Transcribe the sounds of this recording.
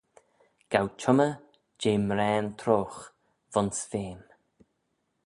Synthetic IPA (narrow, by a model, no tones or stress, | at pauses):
ɡ̥awt͡ʃʰʊmə | d͡ʒeːmɾɛːnt̪ʰɾoːx | vɔnsveːn